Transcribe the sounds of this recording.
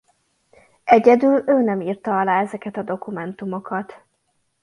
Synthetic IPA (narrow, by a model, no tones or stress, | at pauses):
ʔɛɟɛd̪yløːnɛmiːrt̪ɒɒlaːɛzɛkɛt̪ɒd̪o̞kumɛnt̪umo̞kɒt̪